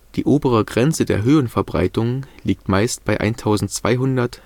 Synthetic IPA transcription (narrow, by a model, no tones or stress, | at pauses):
d̥iːʔoːbəʁ̞əɡʁɛnt͡sədḛːɐɦøːənfɛɐbʁa̰ɪtʊŋnliːk̚tmaɪstb̥aɪʔa̰ɪntʰaʊzn̩tt͡sv̥a̰ɪɦʊndɐt